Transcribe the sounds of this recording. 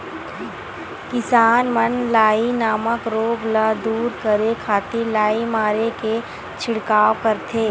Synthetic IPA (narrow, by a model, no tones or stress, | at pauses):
kɪsaːnmənlaːinaːməkɾoːɡlad̪uːɾkəɾekʰaːt̪ilaːimaːɾeke | t͡ʃʰɪɽkaːwkəɾt̪ʰeː